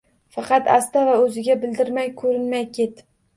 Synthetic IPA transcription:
fɑqʰɑt̪a̰st̪avaɵzɪɡʲabɪld̪ɪɾmajkʰɵɾɪnmajkʲʰe̞t̪

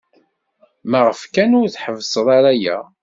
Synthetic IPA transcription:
məʁəfkænʊɾθħəvsˤəðˤɑɾæjæ̰

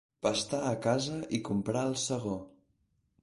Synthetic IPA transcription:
pəst̪aːkazəʔikumpɾaəlˠsəɣ̞o

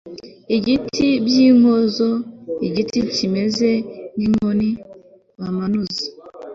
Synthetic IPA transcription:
iɡitʰibjiŋozoiɡitit͡ʃimezenimoni | βamanuzi

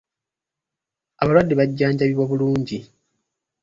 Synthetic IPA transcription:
aβalwadːiβaɟːaːɲɟaβiβoβuluːɲɟi

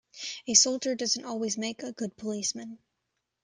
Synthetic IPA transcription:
ɨsoʊlˠd͡ʒə˞dʌz̃n̩tɔlˠwizmeɪkɨɡʊd̚pʰəlismɨ̃n

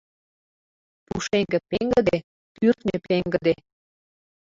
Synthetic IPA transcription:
pṵʃeŋɡə̆peŋɡəd̪e | pyrt̪nʲəpeŋɡə̆d̪e

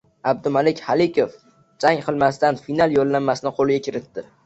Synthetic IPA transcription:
ab̚d̪ʊmalɪkʲhalɪkʲof | d͡ʒaŋqʰɨlˠmasɪt̪anfinalˠjolːamːasɪnɪqʰolˠɪɡʲakʲʰɪɾɪt̪ːɪ

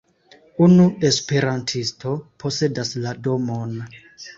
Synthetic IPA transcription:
unue̞spe̞ɾantʰistʰo̞pʰo̞se̞daslado̞mon

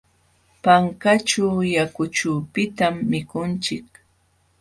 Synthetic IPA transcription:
paŋkat͡ʃawjakʊt͡ʃuːpɪt̪amːɪkʊnt͡ʃɪk

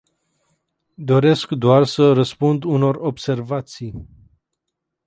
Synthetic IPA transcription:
d̪o̞ɾe̞skd̪oarsərəspund̪uno̞ro̞bse̞rvat̪sij

